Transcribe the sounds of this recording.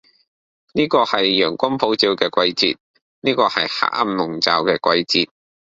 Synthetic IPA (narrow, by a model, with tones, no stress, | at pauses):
niː˥kɔː˧hɐ˨jːœː˨˩ŋkʷɐ˥npʰo˨˥wt͡siː˧wkɛː˧kʷɐ˧jt͡sḭː˧t̚ | niː˥kɔː˧hɐ˨jha̰ː˧˥ʔ̚a˧mnʊ˨ŋt͡sa̰ː˨˧wkɛː˧kʷɐ˧jt͡siː˨˧t̚